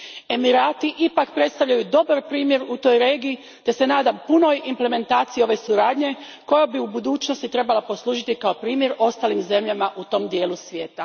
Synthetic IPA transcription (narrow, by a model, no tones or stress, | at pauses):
e̞miɾaːt̪iʔipakpɾe̞t̪st̪aʋʎajud̪o̞baɾpɾiːmje̞ɾut̪o̞ːjɾe̞ːɡiː | t̪e̞se̞naːd̪ampuno̞jimple̞me̞nt̪aːt̪sijio̞ʋe̞suɾaːd̪ɲe̞ | ko̞jabiubud̪uːt͡ʃno̞st̪it̪ɾe̞balapo̞slˠuːʒit̪ikao̞pɾiːmje̞ɾo̞st̪aːlimze̞mʎamaʔut̪o̞md̪je̞ːlusʋje̞ːt̪a